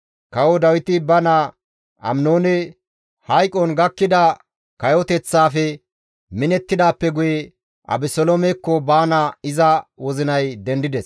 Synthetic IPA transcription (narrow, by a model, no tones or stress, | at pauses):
kɐwɔd̪ɐwɪt̪ɪbɐnɐ | ʔɐ̰mnoːnɛ | hɐjkʼɔnɡɐkːɪd̪ɐ | kɐjɔt̪ɛt͡sːaːfɛ | mɪnɛt̪ːɪd̪aːpːɛɡʊjɛ | ʔɐ̰bɪsɔlomɛkːɔbaːnɐɪzɐwɔzɪnɐjd̪ɛnd̪ɪd̪ɛs